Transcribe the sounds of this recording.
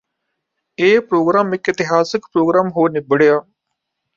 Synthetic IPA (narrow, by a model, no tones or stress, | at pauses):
eːpɾoːɡɾaːmɪkɪt̪ɪɦaːsɪkpɾoːɡɾaːmɦoːnɪbəɽejaː